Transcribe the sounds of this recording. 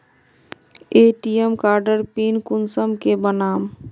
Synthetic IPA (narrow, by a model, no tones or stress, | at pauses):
eʈijemkaɾɖəɾpinkunsəmkebənaːm